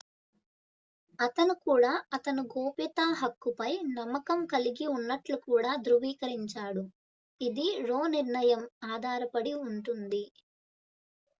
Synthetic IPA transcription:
ɐt̪ɐnukuːɽaːɐt̪ɐnuɡoːpit̪aːɦɐkːupɐjnɐmːɐkɐmkɐliɡiunːɐʈlukuːɽaːd̪ɾuʋiːkɐɾiɲt͡ʃaːɽu | id̪iɾoːniɾɳɐjɐmaːd̪ʱaːɾɐpɐɽiuɳʈund̪i

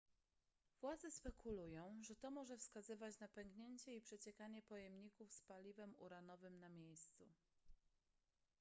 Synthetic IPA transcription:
vwad̪zɛspɛkʰulujɔ̃w̃ʐɛt̪ɔmɔʐɛfskazɘvat͡ɕnapɛŋɡɲeɲt͡ɕɛipʂɛt͡ɕɛkaɲɛpɔjɛmɲikufspalʲivɛmṵɾanɔvɘmnamʲjejst̪su

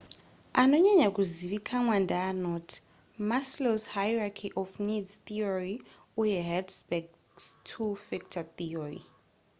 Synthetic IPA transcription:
anɔɲaɲakuziβikʰamwandaːnɔtʰi̥ | masloshajrakʰiʔɔfnidz̥t̪iɔɹi | ujɛɦɛdspɛk | stʰufɛk̚tʰaθiɔɹḭ

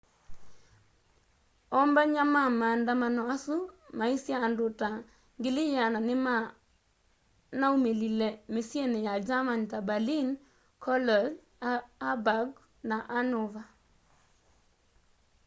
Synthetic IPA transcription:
ɔmbaɲamamandamanɔasumaisjaːndʊta | ŋɡɪlɪjananɪma | naumelilemɪsjenejad͡ʒamantabalin | kʰɔlɔd | abaɡ | naʔanʊva

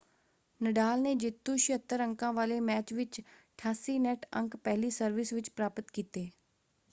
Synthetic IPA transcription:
nəɖaːlneːd͡ʒɪt̪ːũːʃɪət̪ːəɾəŋkãːʋaːleːmɛːt͡ʃʋɪt͡ʃ | ʈʰaːsiːnɛːʈʰə̰̃ŋkpɛːliːsəɾʋɪsʋɪt͡ʃpɾaːpət̪kiːt̪eː

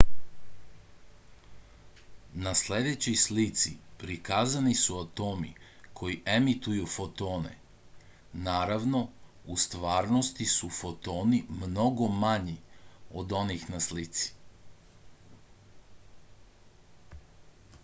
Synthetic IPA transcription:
nasle̞d̪e̞t͡ɕojslit̪sipɾikazanisuat̪o̞ːmḭkʰo̞jiʔe̞mit̪ujufo̞t̪o̞ːnḛ | naːɾaʋno̞ | ust̪ʋaːɾnost̪isufo̞t̪o̞ːnimno̞ɡo̞maɲiod̪o̞nixnaslit̪si̥

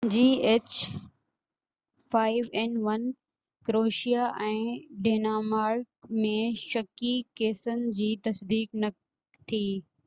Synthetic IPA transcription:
d͡ʑiːeːt͡ɕ | faːɪʋɛːnʋɐn | kɾoːʃijaʔɛ̃ːɖeːnaːmaːɾkmẽʃɐkikeːsənɪ̆d͡ʑiːt̪ɐsd̪iːknɐ | t̪ʰiː

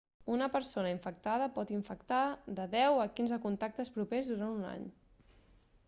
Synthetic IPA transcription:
unəpəɾsonəiɱfək̚t̪að̞əpɔt̪iɱfəkt̪aðəðɛwəkinzəkunt̪ak̚t̪əspɾupezðuɾanuna̰ɲ

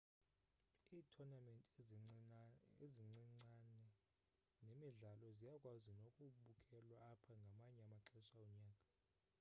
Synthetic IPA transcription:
iːtʰɔnamɛntʼ | eziŋ͡ǀiŋ͡ǀanɛ | nemiɮalɔzijakʼwazinokʼuɓukʼʰɛlwaːpʰaŋɡʱamaɲɛamaǁɛʃaɔɲaːkʼa

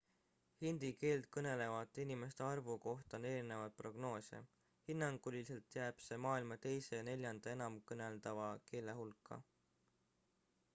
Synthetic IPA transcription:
hind̪̥ike̞ːlt̪̚kɤne̞le̞vɑd̪ˑinime̞st̪eɑrvuko̞ht̪ɑneɾine̞vɑd̪̥̚pro̞ɡno̞ːsʲḛ | hinːɑŋɡ̥ulʲise̞lt̪ˑjæːb̥se̞mɑːilmɑt̪e̞jse̞jɑne̞lʲjɑnd̪̥ɑe̞nɑmkɤne̞ld̪ɑvɑke̞ːle̞ɦulkːɑ̰

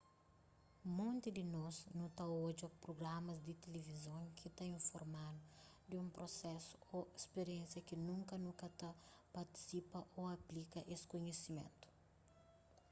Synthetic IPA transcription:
mõnt̪id̪ɪnɔznut̪ɐod͡ʒɐpɾoɡɾamɐzd̪ɪt̪elevizõŋkʰit̪ɐĩɱfoɾmadʊ | d̪ɪũmpɾosɛsu̥oespeɾiẽnsjɐkinũŋkɐnukɐt̪ɐpɐɾt̪i̥sipɐʔoɐplikɐʔeskoɲesimḛ̃nt̪u̥

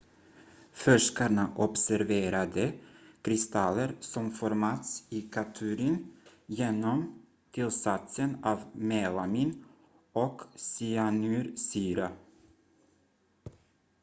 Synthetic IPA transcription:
fœʂkaɳaʔɔpsæɾveːɾad̪əkʰɾɪst̪alːəɾsɔmfɔɾmɑːt̪siːkʰat̪ʰʉːɾənjeːnɔm | t̪ʰɪlsat̪sənɑːvmeːlamiːn | ɔksianʉːɾsyːɾa

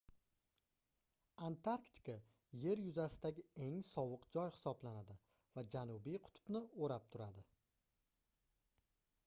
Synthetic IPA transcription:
ant̪ʰaɾkt̪ɪ̥kʰa | je̞ɾjʊzasɪd̪aɡʲɪe̞ŋsɒwɨqd͡ʒɒjhɪ̥sɒblanad̪ɪ | vad͡ʒanʊbijqʰʊ̥t̪ʰʊ̥bnɪoɾap̚t̪ʰʊɾad̪ɪ

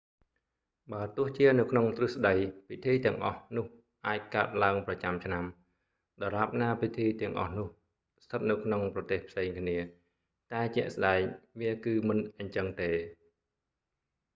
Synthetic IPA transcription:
ɓaːt̪ʊ̆əht͡ɕiənɨwkʰnoŋt̪rɨhsɗəjpʰit̪ʰiːt̪ɛ̆əŋʔɑ̰hnʊ̆əh | ʔaːc̚kaət̪̚laəŋprɑt͡ɕamt͡ɕʰnam | ɗɑlap̚naːpit̪ʰiːt̪ɛ̆əŋʔɑ̰hnʊ̆əh | st̪ʰɨt̪̚nɨwkʰnoŋprɑt̪eːhpʰseːŋkʰniə | t̪aɛt͡ɕɛ̆əʔsɗaɛŋʋiəkɨːmɨnʔəɲt͡ɕəŋt̪eː

